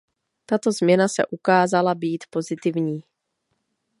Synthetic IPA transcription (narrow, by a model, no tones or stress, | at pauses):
t̪at̪o̞zmɲɛnasɛ̰ʔukaːzalabiːt̪po̞zɪt̪ɪvɲiː